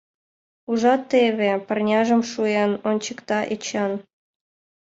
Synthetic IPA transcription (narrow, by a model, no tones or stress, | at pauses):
uʒɑt̪ːeβʲepərnʲɑʒə̆mʃuenonʲt͡ɕəkt̪ɑʔet͡ɕɑn